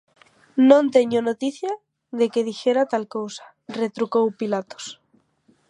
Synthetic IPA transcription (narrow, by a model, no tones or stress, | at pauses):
nõnt̪eɲonot̪iθja | ðekeð̞ixe̞ɾat̪alkowsḁ | ret̪ɾukowpilat̪o̥s